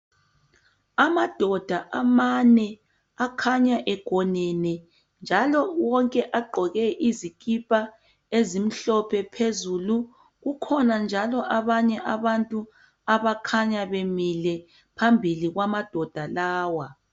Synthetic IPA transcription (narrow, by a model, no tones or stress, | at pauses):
amad̥ʱɔd̥ʱaʔamanɛ | akʰaɲaʔɛɡ̥ʱɔnɛnɛ | nd͡ʒʱalɔwɔŋkʼɛʔaɡ͡ǃʱɔɣɛʔizikʼipʼa | ezim̩ɬɔpʰɛpʰezulu | ɣukʰɔnand͡ʒʱalɔʔaβaɲɛʔaβantʼu | aβakʰaɲaβemilɛ | pʰambʱiliɣwamad̥ʱɔd̥ʱalaːwa